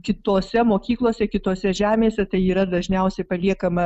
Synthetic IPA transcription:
kʲɪt̪oːsʲɛmoːkʲiːklˠoːsʲɛkʲɪt̪oːsʲɛʒʲæːmʲeːsʲɛt̪ɐɪiːɾɐd̪ɐʒʲnʲɛʊsʲɛɪpɐlʲiɛkɐmɐ

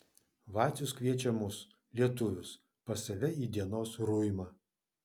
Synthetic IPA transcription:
ʋɑːt̪sʲʊskʋʲiɛt͡ʃʲɛmʊs | lʲiɛt̪ʊʋʲʊs | pɐsɐʋʲɛiːd̪ʲiɛnoːsɾujɪmɑː

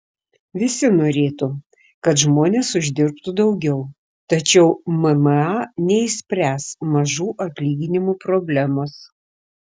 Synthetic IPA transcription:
ʋʲɪsʲɪnoːɾʲeːt̪u | kɐt̪ʒmoːnʲeːsʊʒʲd̪ʲɪɾpt̪ud̪ɒʊɡʲɛʊ | t̪ɐt͡ʃʲɛʊmɛmɑːnʲɛɪsʲpʲɾʲæːsmɐʒuːʔɐt̪ʲlʲiːɡʲɪnʲɪmuːpɾobʲlʲæmoːs

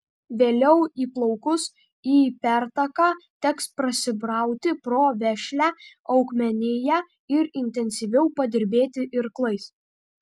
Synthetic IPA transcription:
ʋʲeːlʲɛʊiːplˠɒʊkʊs | iːpʲæɾt̪ɐkɑːt̪ʲɛkspɾɐsʲɪbɾɑˑʊt̪ʲɪpɾoːʋʲɛʃʲlʲæ | ɐʊkmʲɛnʲɪjæ | ɪɾɪnʲt̪ʲɛnʲsʲiʋʲɛʊpɐd̪ʲɪɾʲbʲeːt̪ʲɪʔɪɾklˠɐɪs

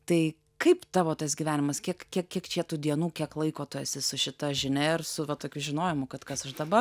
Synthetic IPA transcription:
t̪ɐɪ | kɐɪpt̪ɑːʋoːt̪ɐsɡʲiːʋʲæːnʲɪmɐskʲiɛkkʲiɛkkʲiɛkt͡ʃʲiɛt̪ʊd̪ʲiɛnuːkʲiɛklˠɐɪkoːt̪oːjɛsʲɪsʊʃʲɪt̪ɐʒʲɪnʲɛɪrsʊʋɐt̪oːkʲʊʒʲɪnoːjɪmʊkɐt̪kɐsɐʃd̪ɐbɐ

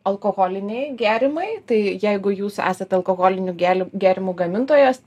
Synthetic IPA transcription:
ɐlˠkoːɣoːlʲɪnʲeɪɡʲæːɾʲɪmɐɪt̪ɐɪjɛɪɡʊjuːsæ̰ːsɐt̪ɐlˠkoːɣoːlʲɪnʲuːɡʲæːlʲɪɡʲæːɾʲɪmuːɡɐmʲɪnt̪oːjoːs

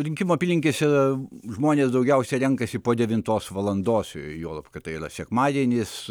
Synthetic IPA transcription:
ɾʲɪŋʲkʲimoːɐpʲilʲɪŋʲkʲɪsiɾɐʒmoːnʲeːsd̪ɐʊɡʲɛʊsʲɛɾʲɛŋkɐsʲɪpoːd̪ʲɛʋʲɪnt̪oːsʋɐlˠɐnd̪oːsjuːlˠɐpkɐt̪ɐiːrɐ̰sʲɛkmɑːd̪ʲiɛnʲɪs

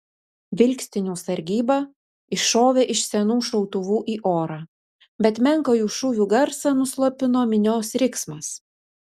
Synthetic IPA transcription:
ʋʲɪlʲkʲsʲt̪ʲɪnʲuːsɐɾʲɡʲiːbɐ | ɪʃoːʋʲeːʔɪʃsʲɛnuːʃɒʊt̪ʊʋuːʔiːʔoːɾɑː | bʲɛt̪mʲɛŋˑkoːjuːʃʊʋʲuːɡɐɾsɑnʊslˠopʲɪnoːmʲɪnʲoːsɾʲɪksmɐs

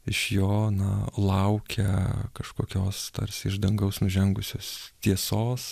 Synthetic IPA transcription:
ɪʃjoːnɐlˠɐʊkʲɛkɐʃkoːkʲoːst̪ɐ̰ɾʲsʲɪɪʒd̪ɐŋɡɐʊsnʊʒʲɛŋɡʊsʲoːst̪ʲiɛsoːs

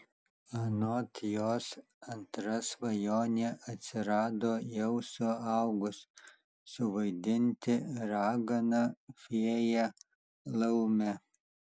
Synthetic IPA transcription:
ɐnoːt̪joːs | ɐnt̪ɾɐsʋɐjoːnʲeːʔɐt̪ʲsʲɪɾɑːd̪oːjɛʊsʊɑʊɡʊs | sʊʋɐɪd̪ʲɪnʲt̪ʲɪɾɑːɡɐnɐfʲiɛjɛ | lˠɐʊmʲɛ

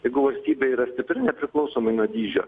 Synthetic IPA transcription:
jɛɪɡʊʋɐlʲsʲt̪ʲiːbʲeːiːɾɐsʲt̪ʲɪpʲɾʲɪnʲɛpʲɾʲɪklˠɒʊsoːmɐɪnuɔd̪ʲiːʒʲo̰ː

